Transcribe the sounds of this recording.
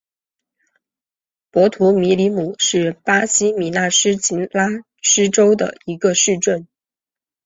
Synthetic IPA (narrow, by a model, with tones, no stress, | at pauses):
pwɔ˧˥t̪ʰu˧˥mi˧˥li˧˥mu˨˩˦ʂɻ̩˥˩pa˥ɕi˥mi˨˩˥na˥˩ʂɻ̩˥t͡ɕi˧˥nla˥ | ʂɻ̩˥ʈ͡ʂo˥ʊd̪ə̰˨˩i˧˥ɡə˧ʂɻ̩˥˧ʈ͡ʂə˥˩n